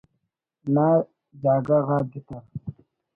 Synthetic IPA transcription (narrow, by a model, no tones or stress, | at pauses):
na | d͡ʒaːɡaɣaɡit̪aɾ